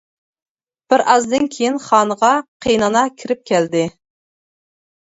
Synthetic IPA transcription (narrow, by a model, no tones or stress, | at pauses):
b̥ɪɾʔɑzd̪ɨnkʲʰejinχɑːnəʁɑqʰejnɑnɑkʲʰiɾɪp̚kʲʰɛld̪ɪ